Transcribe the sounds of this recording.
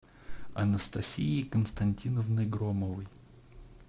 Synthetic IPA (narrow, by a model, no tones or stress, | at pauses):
ɐnəst̪ɐsʲiikənst̪ɐnʲtʲinəvnɨjɡɾoməvɨj